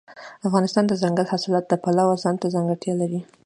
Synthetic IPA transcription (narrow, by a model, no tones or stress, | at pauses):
afɣɑnɪst̪ɑnd̪əzaŋɡalhasɪlɑt̪̚d̪əpalawazɑnt̪azaŋɡaɽt̪jɑlaɾi